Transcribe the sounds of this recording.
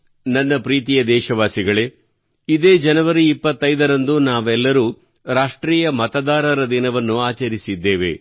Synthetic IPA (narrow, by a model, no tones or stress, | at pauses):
nɐnːɐpɾiːt̪̬ijɐd̪ɛːʃɐʋaːsiɡɐɭe | id̪e̞ːd͡ʒɐnɐʋɐɾiipːɐt̪ːɐjd̪ɐɾɐnd̪unaːʋɛlːɐɾuː | ɾaːʂʈɾiːjɐmɐt̪ɐd̪aːɾɐɾɐd̪inɐʋɐnːuaːt͡ʃɐɾisid̪ːeːʋḛ